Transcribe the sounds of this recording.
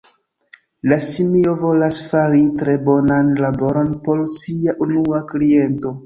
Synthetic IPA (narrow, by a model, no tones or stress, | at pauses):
lasimio̞vo̞lasfaɾitɾe̞bo̞nanlabo̞ɾo̞npo̞lsiaʔunuaklie̞nto̞